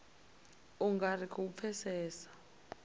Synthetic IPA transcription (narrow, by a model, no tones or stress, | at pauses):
uŋɡarikʰʼɔup̪fʰɛsɛːsḁ